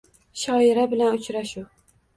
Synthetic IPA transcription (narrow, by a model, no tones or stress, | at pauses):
ʃɒjɪɾabɪlanʊt͡ʃɾaʃu